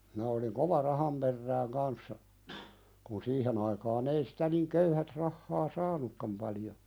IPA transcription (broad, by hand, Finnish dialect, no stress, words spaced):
minæ oliŋ koʋɑ rɑhɑm perːæːŋ kɑnsːɑ kun siːhen ɑikɑːn ei sitæ niŋ køyhæt rɑhːɑː sɑːnukːɑm pɑljo